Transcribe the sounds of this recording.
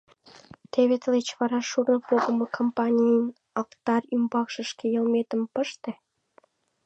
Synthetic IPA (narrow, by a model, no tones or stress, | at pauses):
t̪eβet̪əlet͡ɕβɑɾɑʃuɾnɤpoɣə̆mokʰompɑnʲijən | ɑkt̪ɑrymbɑkʃə̆ʃkejə̆lmet̪ə̆mpəʃt̪e